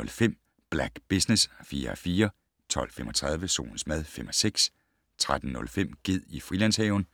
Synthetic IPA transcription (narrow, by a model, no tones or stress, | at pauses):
ɔ̽lfem̰ | b̥læɡ̥b̥isnesfiːɐæfiːɐ | t͡sʰɒ̽l̰femɒt͡sʰʁað̞ˠʋəso̝̰ːln̩smæð̞ˠfem̰ɒseɡ̥s | t͡sʰʁad̥n̩nɔ̽lfem̰ɡ̥e̝ð̞̰ˠifʁilæn̰shɛʊn